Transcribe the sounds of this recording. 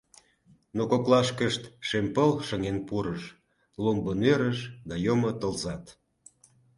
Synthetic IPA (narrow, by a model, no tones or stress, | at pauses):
nokoklɑʃkəʃt̪ʃempəlʃəŋenpuɾəʃ | lombənøɾəʃd̪ɑjomot̪əlzɑt̪